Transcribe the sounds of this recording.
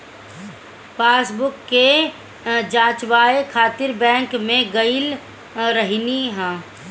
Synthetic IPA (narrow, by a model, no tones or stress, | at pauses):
paːsbʊkːe | d͡ʒãːt͡ʃʋaːekʰaːt̪ɪɾbɛ̃ːŋkmẽɡəɪl | ɾəɦiniɦɛ̃ː